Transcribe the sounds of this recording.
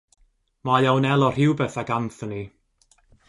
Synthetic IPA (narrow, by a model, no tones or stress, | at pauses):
majawnɛlˠɔr̥ɪwbɛθaɡamθəni